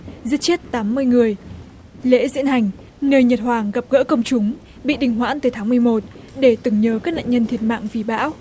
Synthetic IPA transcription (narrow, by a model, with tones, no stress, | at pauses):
zi˦˥t̚t͡ɕe˦˥t̚t̪aː˨˦mːɨ˧əjŋɨ˨˩əj | lḛ˧˥zḭ˧˥ənɦa˨˩jŋ̟ | nəː˧jɲə˨˩t̚hwaː˨˩ŋɣa˨˩p̚ɣə̰ː˧˥kə˧wŋ͡mt͡ɕʊ˨˦ŋ͡m | ɓḭ˧˨ɗï˨˩ŋ̟ɦwa̰ː˧˥nt̪ɨː˨˩t̪ʰaː˨˦ŋm˨˩əjmo˨˩t̚ | ɗe˧˩t̪ɨ˨˩ŋɲəː˨˦kaː˦˥k̚na̰ː˧˨ŋɲə˧nt̪ʰi˨˩ət̚ma̰ː˧˨ŋvi˨˦ɓa̰ː˧˥w